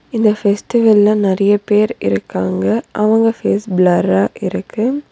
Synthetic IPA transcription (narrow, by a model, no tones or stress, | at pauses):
ɪnd̪ɐfɛsʈɪʋɐlɪlãnɪɾɐjɐpeːɾɪ̰ɾɯkːaːŋɡɐʔɐʋɐŋɡɐfeːsblɐɾaːʔɪɾɯkʰːɯ